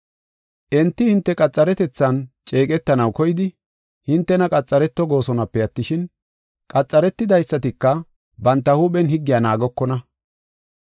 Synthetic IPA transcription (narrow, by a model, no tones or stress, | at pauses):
ʔɛnt̪ːɪhɪnt̪ːɛkʼɐt͡sʼːɐɾɛt̪ɛt͡sːɐnt͡ʃʼe̞ːkʼɛt̪ːɐnɐwkɔjɪd̪ɪ | hɪnt̪ːɛnɐkʼɐt͡sʼːɐɾɛt̪ːɔɡo̞ːsɔnɐpːɛjɐt̪ːɪʃɪn | kʼɐt͡sʼːɐɾɛt̪ːɪd̪ɐjsːɐt̪ɪkːɐ | bɐnt̪ːɐhuːɓɛnhɪɡːɪjaːnaːɡɔkːɔnɐ